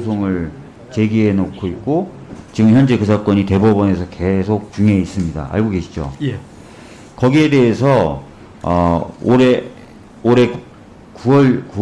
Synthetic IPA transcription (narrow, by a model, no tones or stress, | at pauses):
sʰoŋɯɭ | t͡ɕe̞ɡiɦe̞nokʰoit̚k͈ot͡ɕiɡɯmçjʌnd͡ʑe̞kɯsʰak͈ʌɲite̞bʌbʌne̞sʰʌke̞sʰok̚t͡ɕuŋeis͈ɯmɲida̰ʔa̰ɭɡoɡe̞ɕʰi̥d͡ʑo̰ | kʌɡie̞de̞ɦesʰʌ | ʌoɾe | oɾe̞ | kuʌɭku